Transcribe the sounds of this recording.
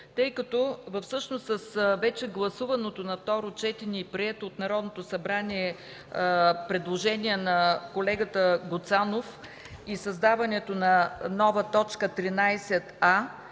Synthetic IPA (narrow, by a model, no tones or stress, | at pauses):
t̪ɤjkɐt̪ɔvɐfsɤʃnost̪sɐsvɛt͡ʃɛɡlˠɐsuvɐnot̪onɐft̪ɔɾot͡ʃɛt̪inʲipɾiɛt̪oːt̪nɐɾɔd̪not̪osɐbɾaniɛ | pɾɛd̪lˠoʒɛniɛnɐkolɛɡət̪əɡot̪sanof | isɐzd̪avɐnɛt̪onɐnɔvət̪ɔt͡ʃkət̪ɾinajsɛt̪a